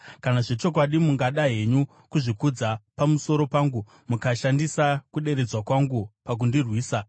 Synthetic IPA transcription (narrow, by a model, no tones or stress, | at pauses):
kanaʐe̞t͡ʃo̞k̬waɗimuŋɡaɗaɦe̞ɲu | kuʐikud͡zapamuso̞ɾo̞paːŋɡu | mukaʃandisakuɗe̞ɾe̞d͡zwakwaŋɡupak̬undirwiːsa